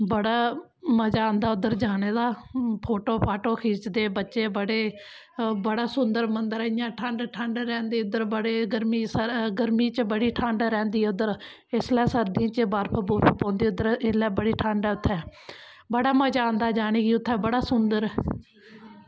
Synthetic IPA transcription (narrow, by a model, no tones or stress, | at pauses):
bəɽaːməd͡ʒaːnd̪aːʊd̪əɾd͡ʒaːɽeːd̪aːpʰoːʈoːpʰaːʈoːkʰiːt͡ʃd̪eːbətːʃeːbəɽeː | bəɽaːsʊnd̪əɾmənd̪əɾɪjãːʈʰãɳɖʈʰəɳɖɾɛːnd̪iːʊd̪əɾbəɽeːɡəɾmiːsəɡəɾmiːt͡ʃbəɽiːʈʰãːɳɖɾɛ̃ːnd̪iːɛʊd̪əɾ | ɪslɛːsəɾd̪ijãːt͡ʃəbaːɾpʰəbuːpʰːpãːnd̪iːʊd̪əɾelɛːbəɽiːʈʰãːɳɖɛːʊt̪ʰːɛː | bəɽaːməd͡ʒaːnd̪aːd͡ʒaːɽ̃iːɡiːʊt̪ʰːɛːbəɽaːsʊnd̪əɾ